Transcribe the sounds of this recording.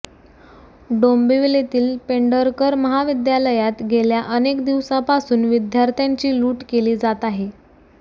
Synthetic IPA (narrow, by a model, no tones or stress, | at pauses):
ɖombiʋilet̪iːlpeɳɖəɾkəɾməɦaʋid̪jaləjat̪ɡʱeljaʔənekd̪iʋsapasuːnʋid̪jaɾt̪ʰjaɲt͡ɕiːluːʈkeliːd͡zat̪aɦe